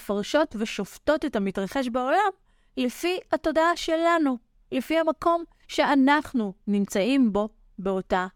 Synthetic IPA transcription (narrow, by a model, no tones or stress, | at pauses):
faʁʃo̞tveʃofto̞tetamitʁaχe̞ʃbao̞lam | lefihato̞daaʃe̞lanu | lefihamako̞m | ʃe̞anaχnunimt͡saimbo̞ | be̞o̞ta